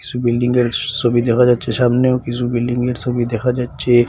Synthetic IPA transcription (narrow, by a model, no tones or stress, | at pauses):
kɪ̥sibɪlɖɪ̃ŋɡeɾsobʱid̪eːkʰad͡ʒaːtːt͡ʃʰeʃaːmneokisubɪlɖɪ̃ŋɡeɾsobid̪eːkʰad͡ʒaːt̪ːt͡ʃʰe